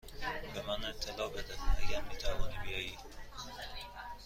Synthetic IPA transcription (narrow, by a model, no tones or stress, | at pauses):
bemæneɾt̪ʰelɒːbed̪ænæɡʲæɾmiːt̪ʰævɒːnibijɒːjiː